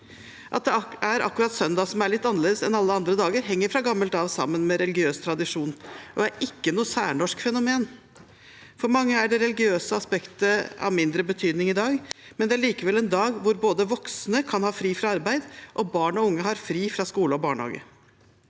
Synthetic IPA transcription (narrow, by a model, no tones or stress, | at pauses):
ʔɑt̪̚d̪ɛæɾɑ̰kːʉɾɑt̪sœnd̪ɑsɔmæɭɪt̪ːɑnəleːd̪əsɛnɑlːəɑnd̪ɾəd̪ɑːɡəɾɦɛŋːəɾfɾɑɡɑmːəlt̪ɑʋsɑ̰mːənmɛɾɛlɪɡɪøːst̪ʰɾɑd̪ɪʂuːnʔɔæɾɪkːənuːəsæːɳɔʂkfɛnʊmeːn | fɔɾmɑŋːəæɖɛɾɛlɪɡɪøːsəɑspɛkt̪əɑ̰ʋmɪnd̪ɾəbət̪ʰyːd̪nɪŋɪd̪ɑːɡmɛnd̪ɛæɭiːkəʋɛlɛnd̪ɑːɡʋʊɾboːd̪əʋɔksnəkʰɑnhɑːfɾiːfɾɑɑɾbæɪd̪ʔɔbɑːɳɔʊŋːəɦɑɾfɾiːfɾɑskuːləɔbɑːɳhɑ̰ːɡə̰